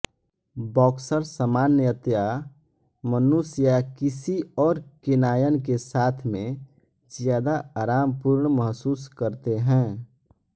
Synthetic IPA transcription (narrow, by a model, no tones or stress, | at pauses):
bɔːksəɾsəmaːnjət̪ja | mənusjakɪsiɔːɾkɪnaːjənkesaːt̪ʰmẽ | zjaːd̪aaːɾaːmpuɾɳməɦsuːskəɾt̪eɦɛ̃ː